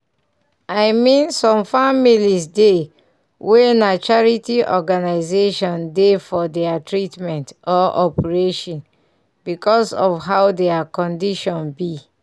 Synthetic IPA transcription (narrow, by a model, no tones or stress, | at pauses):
ajmĩnsɔ̃mfamilisde | wɛnat͡ʃaɹitiʔɔɡanaɪzeʃɔ̃ndefɔdɛatʰɹitmɛ̃ntɔʔɔpɛɹeʃɔ̃n | bikɔsɔfɦaʊdɛakɔ̃ndiʃɔ̃nbi